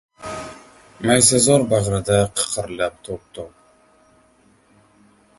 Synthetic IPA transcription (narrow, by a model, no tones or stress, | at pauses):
majsazɒɾbaʁɾɪd̪aqʰə̥qʰɨɾlap̚t̪ʰop̚t̪ʰɔp̚